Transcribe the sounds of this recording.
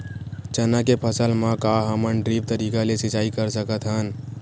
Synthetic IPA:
t͡ʃənakepʰəsəlmãkaɦəmənɖɾib̚t̪əɾiːkalesɪt͡ʃaːikəɾsəkət̪ʰɦən

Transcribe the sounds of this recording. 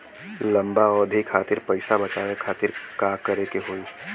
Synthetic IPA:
lɐ̃mbaɔːd̪ʱikʰaːt̪ɪɾpəɪsabɐt͡ʃaːwekʰaːt̪ɪɾkaːkɐɾekeɦoːi

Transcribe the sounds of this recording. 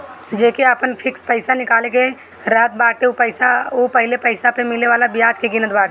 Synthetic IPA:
d͡ʒeːkeəpənpʰɪkspəɪsanɪkaːleke | ɾəɦət̪̚baːʈeupəɪsaopəɦlepəɪsapemɪleʋaːlabɪjaːd͡ʒkeɡɪnət̪baːʈe

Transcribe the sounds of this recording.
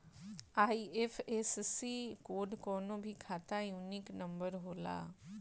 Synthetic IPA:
aːiefʰessikoːɖkɔːnõbʱikʰaːt̪ajuːnɪknɐ̃mbəɾɦoːla̰ː

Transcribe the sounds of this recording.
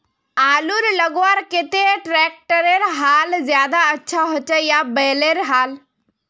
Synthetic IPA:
aːluɾləɡʋaɾket̪eʈɾɛːk̚ʈəɾeɾɦaːlzjaːd̪aətːʃʰaɦoːt͡ʃəjabɛːleɾɦaːl

